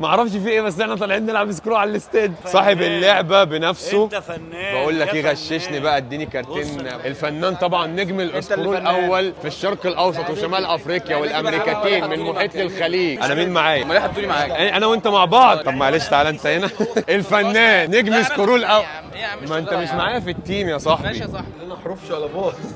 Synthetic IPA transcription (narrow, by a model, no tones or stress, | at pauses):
mæʔɑʕɾˤɑfʃfiːʔeːbæs̬ːʔeħnæt̪ˤɑlʕiːt̪nelʕabjeskoɾuːʕalælest̪eːd̪sˤɑːħebelːoʕbæbenæfso | bæʔuːlːækiːɣæʃːeʃnibæʔæd̪ːiːnikɑɾˤt̪eːnʔelfænːæːnt̪ˤɑbʕɑnːeɡmelʔesɾuːlʔæwːælfiʃːɑɾˤqelʔɑwsˤɑt̪ˤweʃæmæːlʔæfɾiːqjæwelʔæmɾiːkæt̪eːnmenmoħiːt̪lelxæliːɡʔænæmiːnmaʕaːjæmleħ̚t̪umaʕaːʔæʔænæwent̪æmaʕbɑʕd̪ˤt̪ˤɑbmæʔaleʃt̪ʕalæʔent̪æhenæʔelfænːæːnːeɡmiskoɾuːlʔæw | mæʔent̪æmeʃmaʕaːjæfit̪ːiːmjæsˤɑħbi | ħɾuːfʃlæboːt̪ˤ